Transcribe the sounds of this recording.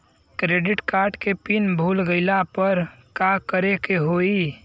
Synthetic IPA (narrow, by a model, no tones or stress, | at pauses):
kɾeːɖɪʈkaːɾɖkepɪnbʱuːlɡəɪlapəɾkakəɾekeɦoːi